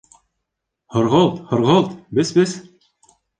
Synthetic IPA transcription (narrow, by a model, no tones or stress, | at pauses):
hŏɾʁɤlˠt̪hŏɾʁɤlˠt̪bɘzbɘz